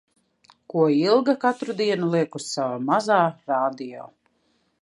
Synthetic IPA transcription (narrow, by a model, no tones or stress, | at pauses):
kuɔilˠɡakat̪ɾud̪iɛnulˠiɛkusavamazaːɾaːd̪ijɔ̰ː